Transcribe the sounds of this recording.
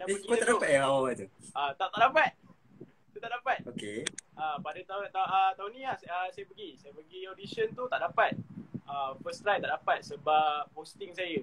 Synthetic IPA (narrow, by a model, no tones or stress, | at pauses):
daeəiɡiəaʔdapat̪̚jaawawat̪uʔat̪aʔt̪aʔdapat̪̚ | t̪ut̪aʔdapat̪̚okeʔapadət̪at̪aət̪aʊnĩlahsəsajəpəɡisajəpəɡiodisənt̪ut̪aʔdapat̪̚ʔəfəst̪ɾajt̪aʔdapat̪̚səbapost̪ɪŋsajə